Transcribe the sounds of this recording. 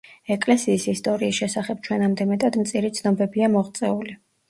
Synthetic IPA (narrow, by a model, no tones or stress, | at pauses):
ɛkʼlɛsiːsist̪ʼɔɾiːsʃɛsaχɛb̚t͡ʃʰwɛnamd̪ɛmɛt̪ʼad̪mt̪sʼiɾit̪sʰnɔbɛbiamɔʁt̪sʼɛuli